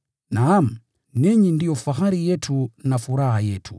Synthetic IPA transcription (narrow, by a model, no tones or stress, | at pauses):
nam̩ | niɲindijɔfaxaɾijɛtʰunafuɾahajɛtʰṵ